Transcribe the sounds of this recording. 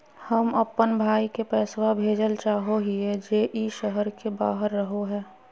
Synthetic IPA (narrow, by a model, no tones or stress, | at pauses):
həməpːənbʱaːikepɛːswabʱeːd͡ʒəlt͡ʃaːɦoɦied͡ʒeːʔiʃəɦəɾkeba̰ːɦəɾːəɦoɦɛː